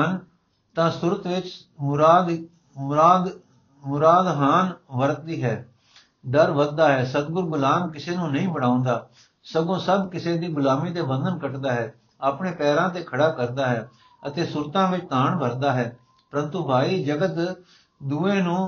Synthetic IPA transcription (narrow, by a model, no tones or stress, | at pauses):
n | t̪ãːsʊɾət̪ʋɪt͡ʃ | mɾaːd̪ | maːd̪ | mʊɾaːd̪ɦaːnʋəɾt̪̚d̪iːɦɛː | ɖəɾʋəd̪̚d̪aːɦɛːsət̪̚ɡʊɾɡʊlaːmkɪseːnũːnəĩːbəɽ̤̃ãːʊ̃nd̪aː | səɡõːsəbkɪseːd̪iːɡʊlaːmiːt̪̬eːbə̃nd̪ʱənkəʈd̪aːɦɛː | aːpɳeːpɛːɾãːt̪̬eːkʰəɽaːkəɾd̪aːɦɛː | ət̪eːsʊɾt̪ãːʋɪt͡ʃt̪aːɳbʱəɾd̪aːɦɛː | pəɾənt̪ũːbʱaːiːd͡ʒəɡət̪ | d̪uːẽːnũː